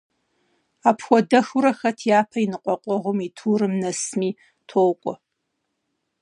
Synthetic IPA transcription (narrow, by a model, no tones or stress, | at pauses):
aːpʰxʷɔdɐxuɾɐxɐtʰjaːpʰɐinɨqʷʼɔqʷʼɔʁʷʊmitʰuːɾɨmnɐsmiː | tʰoːwkʷʼɔ